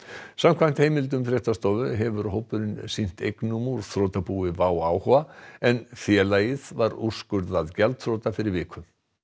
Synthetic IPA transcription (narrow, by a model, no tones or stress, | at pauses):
samkʰvajm̥t̪hejmɪlt̪̬ʏmfɾɛht̪ast̪ɔːvʏɦɛvʏɾɦoːwpʏɾɪnsin̥t̪ejknumuɾ̥θɾoːwt̪apuɪvawaːwhɔaɛnfjɛlajɪðvaɾuskʏɾðaðcɛlt̪θɾoːwt̪afɪɾɪɾvɪːkʰʏm